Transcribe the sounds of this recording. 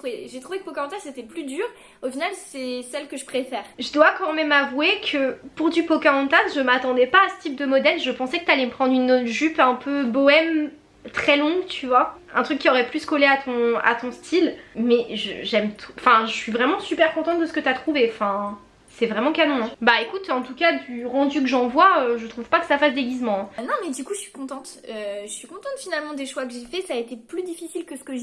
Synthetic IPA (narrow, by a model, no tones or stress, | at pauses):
t̪uveʒet̪χuvekə̥pokaɑ̃t̪azset̪ɛplyd̪yːʁ | ofinalsɛsɛlkəʒəpχefɛːʁʒəd̪wakɑ̃mɛmavwekʰəpuʁd̪ypɔkaɔ̃t̪azʒəmat̪ɑ̃d̪ɛpaːsə̥t̪ip̚d̪əmɔd̪ɛlʒəpɑ̃sɛkə̥t̪yalɛməpχɑ̃d̪ʁynʒypɛ̃pʰøbɔɛm | t̪χɛlɔ̃ɡt̪ʰyvwaɛ̃t̪χykːiɔʁɛplyskoleat̪ʰɔ̃a̰t̪ɔ̃st̪ʰilmɛʒə̰ʒɛmt̪ʰu̥ɑ̃fɛ̃ʒəsɥivʁɛmɑ̃sypɛʁkɔ̃t̪ɑ̃t̪̚d̪əsə̥kət̪yat̪χuveɑ̃fɛ̃ | sɛvʁɛmɑ̃kamɔ̃ɛ̃baekut̪ɑ̃t̪ukad̪yʁɑ̃d̪ykəʒɑ̃vwaøʒət̪χuv̥pakə̥safasd̪eɡʲizmɑ̃ɛ̃nɔ̃mɛd̪ykuʒəsɥi̥kɔ̃t̪ɑ̃t̪øʒəsɥikɔ̃t̪ɑ̃t̪finalmɑ̃d̪eʃwakəʒefɛsaːet̪eplyd̪ifisilkəsə̥kəʒ